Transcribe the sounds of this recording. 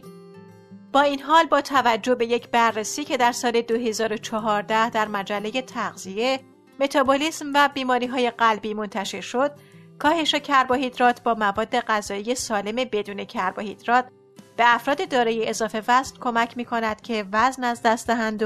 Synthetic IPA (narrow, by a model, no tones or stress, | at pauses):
b̥ɒːiːnɦɒːlbɒːt̪ʰævæd͡ʒːohbe̞je̞cʰbærːesiːcʰe̞d̪æɾsɒːle̞d̪oɦe̞zɒːɾo̞t͡ʃʰɒɦɒːɾd̪æhd̪æɾmæd͡ʒælːe̞je̞t̪ʰæɣzie̞ | me̞t̪ʰɒːboliːsmvæbiːmɒːɾiːɦɒːje̞ɢælbiːmo̞nt̪ʰæʃe̞ɾʃo̞d̪̥̚kʰɒːhe̞ʃecʰæɾbɒhid̪ɾɒːt̪ʰbɒːmævɒːd̪ːe̞ɢæzɒːije̞sɒːle̞me̞be̞d̪uːne̞cʰæɾbɒhid̪̥ɾɒːt̪̚ | b̥e̞æfɾɒːd̪ed̪ɒːɾejeʔezɒːfe̞væsnkʰo̞mæcʰmiːkʰo̞næd̪̥cʰe̞væznæzd̪æst̪d̪æɦænd̪o